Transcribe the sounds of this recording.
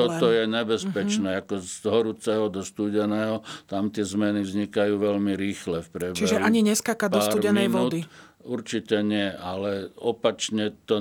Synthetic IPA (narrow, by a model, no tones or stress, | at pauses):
ɔt̪ɔjɛɲɛbɛspɛt͡ʃnɛːakɔzd̪ɦɔɾut͡sɛɦɔd̪ɔst̪uːɟɛnɛːɦɔt̪amt̪ɪɛzmɛnivzɲikajuːʋɛʎmiɾiːxlɛfpɾɛbt͡ʃiɛʒɛɦaɲiɲɛskakad̪pɔasːɾumɟɛnɛjʋɔːd̪i | uɾt͡ʃicɛɲɪɛʔalɛɔpat͡ʃɲɛt̪ɔ